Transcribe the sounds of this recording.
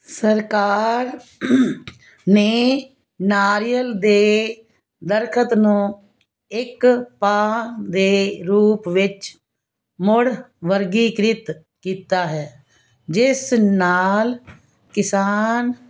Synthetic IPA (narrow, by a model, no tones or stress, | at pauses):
səɾkaːɾ | neː | naːɾijəld̪eː | d̪əɾkʰət̪nũː | ɪkpaːd̪eːɾuːpʋɪt͡ʃ | mʊɽʋəɾɡiːkɾɪt̪ | kiːt̪aːɦɛː | d͡ʒɪsnaːl | kɪsaːn